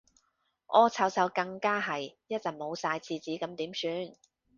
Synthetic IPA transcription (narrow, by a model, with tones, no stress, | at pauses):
ʔɔː˧t͡sʰɐ˨˥wt͡sɐ˨˧wkɐ˧ŋkaː˥ɦɐ˨jjɐ˥t̚t͡sɐ˨˩mo˨˧wsaː˧jt͡sʰiː˧t͡siː˨˥kɐ˨˥mt̪iː˨˥msyː˧n